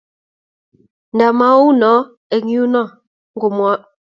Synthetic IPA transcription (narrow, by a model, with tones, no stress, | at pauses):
n̩˨da˨ma˨˦wu˦nɔ˨˦ | ɛ˨ŋ˦u˦nɔ˦˨ | ŋ̩˦ɡo˨mwa˦ʔ